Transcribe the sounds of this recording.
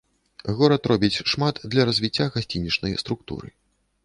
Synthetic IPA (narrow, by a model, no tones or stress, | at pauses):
ɣɔɾɐt̪ɾɔbʲit͡sʲʂmat̪d̪lʲɐɾɐzʲvʲit͡sʲːaɣasʲt͡sʲinʲit͡ʂnɐjst̪ɾuk̚t̪ṵɾɨ̰